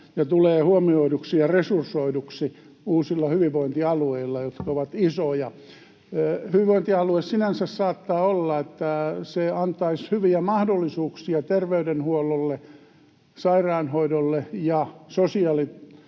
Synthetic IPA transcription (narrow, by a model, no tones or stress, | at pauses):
jɑt̪uleːhuomioiduksijɑresursoiduksi | uːsilːɑhyʋiʋoint̪iɑlueilːɑjot̪kɑoʋɑt̪isojɑ | hyʋiʋoĭnt̪iɑluessinænsæssɑːt̪ːɑːolːɑet̪ːæseɑnt̪ˑɑishyʋiæmɑhdolːisuːksiɑt̪erʋeydenhuololːe | sɑirɑːnhoidolːejɑsosiɑli